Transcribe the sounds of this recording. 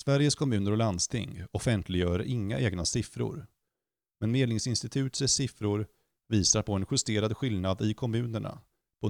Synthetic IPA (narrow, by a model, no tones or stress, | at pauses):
svæɾjəskʰɔmʉ̟ːnəɾɔland̪st̪ʰɪ̰ŋːɔfɛnt̪ʰlɪɡjœːɾɾaʔɪŋːa̰ʔeːɡnasɪfɾʊ̰ɾ | mɛnmeːd̪nɪŋsɪnst̪ɪt̪ʰʉ̟ːt̪səsɪfɾʊɾ | viːsaɾpʰɔɛnɧɵst̪eːɾad̪ɧɪlnad̪ɪkʰɔmʉ̟ːnəɳa̰ | pʰɔ